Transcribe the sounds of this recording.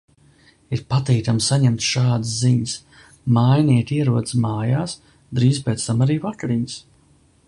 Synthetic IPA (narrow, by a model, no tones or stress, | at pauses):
iɾpat̪iːt̪amsaɲɛmt̪ʃaːd̪sziɲs | majniɛt̪iɛɾuɔd̪smaːjaːs | d̪ɾiːzpeːt̪st̪amaɾiːvakaɾiɲs